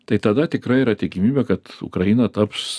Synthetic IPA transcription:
t̪ɐɪt̪ɐd̪ɐt̪ʲɪkɾɐɪiːɾɐt̪ʲɪkʲɪmʲiːbʲɛːkɐt̪ʊ̰kɾɐjɪnɐt̪ɐps

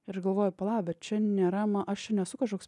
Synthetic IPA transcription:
ɪɾɡɐlˠʋoːjʊpɐlˠɑːbʲɛt͡ʃʲɛnʲeːɾɐmɐʔɐʃt͡ʃʲɛnʲɛsʊkɐʃoːks

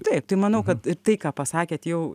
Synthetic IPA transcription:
t̪ɐɪp̚t̪ɐɪmɐnɐʊkɐt̪ɪɾt̪ɐɪkɑːpɐsɑːkʲeːt̪jɛʊ

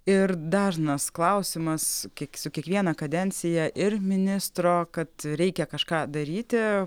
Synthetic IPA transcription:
ɪrd̪ɑːʒnɐsklˠɐʊsʲɪmɐskʲiɛksʊkʲiɛkʋʲiɛnɐkɐd̪ʲɛnʲt̪sʲɪjɛʔɪrmʲɪnʲɪst̪ɾoːkɐt̪ɾʲɛɪkʲɛkɐʃkɑːd̪ɐɾʲiːt̪ʲɪ

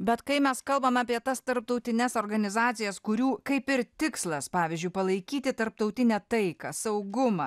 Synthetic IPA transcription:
bʲɛt̪kɐɪmʲɛskɐlˠbɐmɑːpʲiɛt̪ɐst̪ɐɾp̚t̪ɐʊt̪ʲɪnʲɛsoːɾɡɐnʲɪzɑːt̪sʲɪjɛskʊɾʲuːkɐɪpɪɾt̪ʲɪkslˠɐspɑːʋʲɪzʲd͡ʒʲʊɪpɐlˠɐɪkʲiːt̪ʲɪt̪ɐɾp̚t̪ɐʊt̪ʲɪnʲɛt̪ɐɪkɐsɐʊɡʊmɑ

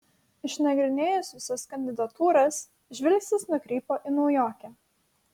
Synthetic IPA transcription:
ɪʃʲnɐɡɾʲɪnʲeːjʊsʲɪsʲoskɐnʲd̪ʲɪd̪ɐt̪uːɾɐs | ʒʲʋʲɪlʲksʲɪsnʊkɾʲiːpoːʔɪnɔʊjoːkʲɛ

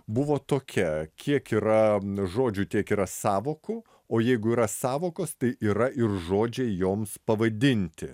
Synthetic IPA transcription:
bʊʋoːt̪oːkʲɛkʲiɛkiːɾɐʒoːd͡ʒʲʊt̪ʲiɛkiːɾɐsɑːʋoːkʊ | oːjɛɪɡʊiːɾɐsɑːʋoːkoːst̪ɐɪʔiːɾɐɪrʒoːd͡ʒʲeːjoːmspɐʋɐd̪ʲɪnʲt̪ʲɪ

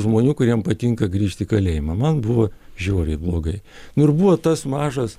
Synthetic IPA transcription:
ʒmoːnʲuːkʊɾʲiɛmpɐt̪ʲiŋkɐɡɾʲiːʃʲt̪ʲɪkɐlʲeːjɪmɐmɐnbʊʋɐʒʲoːɾʲɛɪblˠoːɡɐɪnʊɪrbuʋoːt̪ɐsmɑːʒɐs

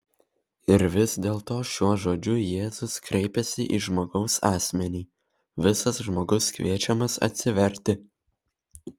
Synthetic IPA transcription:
ɪɾʋʲɪsd̪ʲeːlˠt̪oːʃʲuɔʒoːd͡ʒʲʊjeːzʊskɾʲɛɪpʲɛsʲɪʔiːʒmoːɡɒʊsɑːsʲmʲɛnʲiː | ʋʲɪsɐsʒmoːɡʊskʋʲiɛt͡ʃʲɛmɐsɐ̰t̪ʲsʲɪʋʲɛɾʲt̪ʲɪ

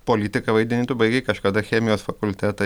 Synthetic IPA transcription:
poːlʲit̪ʲɪkɐʋɐɪd̪ʲɪnʲɪːt̪ʊbɐɪɡʲɛɪkɐʃkɐd̪ɐxʲæːmʲɪjoːsfɐkʊlʲt̪ʲæːt̪ɐ

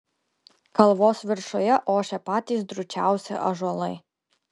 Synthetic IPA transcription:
kɐlˠʋɔːsʋʲɪɾʃɔjɛʔɔːʃʲɛpɑːt̪ʲizd̪ɾʊt͡ʃʲawsʲɛ̰ʔɐʒɔlˠɐj

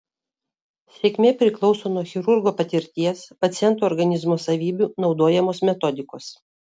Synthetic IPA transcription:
sʲeːkʲmʲeːpʲɾʲɪklˠɒʊsoːnɔxʲɪɾʊɾɡoːpɐt̪ʲɪɾʲt̪ʲiɛspɐt̪sʲɪjɛnt̪uɔɾɡɐnʲɪzmoːsɐʋʲiːbʲuːnɒʊd̪oːjɛmoːsmʲɛt̪ɔd̪ʲɪkoːs

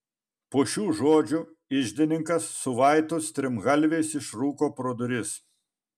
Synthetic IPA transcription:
poːʃʲuːʒoːd͡ʒʲʊ | ɪʒʲd̪ʲɪnʲɪŋkɐsːʊʋɑˑɪt̪oːst̪ʲɾʲɪmɣɐlʲʋʲeːsɪʃɾuːkoːpɾoːd̪ʊɾʲɪs

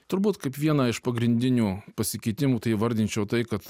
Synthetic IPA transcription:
t̪ʊɾbuːt̪kɐɪpʋʲiɛnɐɪʃpɐɡɾʲɪnʲd̪ʲɪnʲuːpɐsʲɪkʲɐɪt̪ʲɪmuːt̪ɐɪʋɐɾʲd̪ʲɪnʲt͡ʃʲɛʊt̪ɐɪkɐt̪

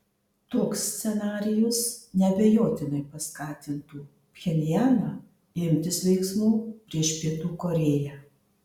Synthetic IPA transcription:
t̪oːksʲsʲɛnɑːɾʲɪjʊsnʲɛbʲɛjoːt̪ʲɪnɐɪpɐskɑːt̪ʲɪnt̪uː | pʲxʲɛnʲɪjæːnɑ | ɪmʲt̪ʲɪsʋʲɛɪksmuːpʲɾʲiɛʃpʲiɛt̪uːkoːɾʲeːjæː

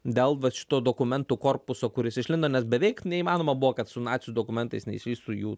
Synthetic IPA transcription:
d̪ʲeːlˠʋɐʃʲɪ̥t̪oːd̪oːkʊmʲɛnt̪uːkoːrpʊsoːkʊɾʲɪsɪʃʲlʲɪnd̪oːnʲɛsbʲɛʋʲɛɪknʲɛimɑːnoːmɐbuʋoːkɐt̪sʊnɑːtt͡s̪ʲsʲjd̪oːkʊmʲɛnt̪ɐɪsnʲɛḭsʲiːst̪ʊjuː

